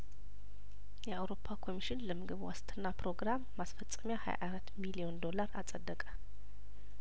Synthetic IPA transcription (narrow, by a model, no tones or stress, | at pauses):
jɛawɾo̞pʰːakʰo̞miʃɪnləmɨɡɨβwa̰st̪ʰʼɨnːapɾo̞ɡɾamːasfət͡sʼːəmjaha̰ja̰ʔaɾat̪ːmilijo̞nd̪o̞laɾasʼəd̪ːəkʼə